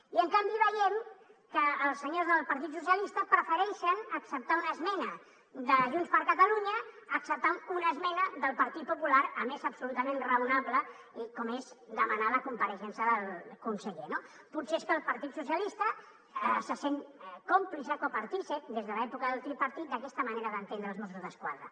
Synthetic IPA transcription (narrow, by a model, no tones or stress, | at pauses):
iəŋkambiβəjɛmkəːlˠsːəɲozðəlˠpəɾt̪̬it̪sus̬jəlist̪əpɾəfəɾɛʃənəksəp̚t̪aunəzmɛnə | d̪əʒunspəɾkət̪əluɲəːksəp̚t̪amunəzmɛnəðəlˠpəɾt̪it̪̚pupulaɾəmezəpsulut̪əmenrəunaβlə | ikɔmezd̪əmənaləkumpəɾəʃɛnsəðəlˠkunsəʎeno | putseeskəlˠpəɾt̪it̪susiəlist̪ə | əsəseŋkomplisəkopəɾt̪ised̪ezðəlɛpukəðəlˠt̪ɾipəɾt̪it̪̚d̪əkɛst̪əməneɾəðənt̪enɾəlznɔst̪ɾuzðəskwa̰ðɾə̰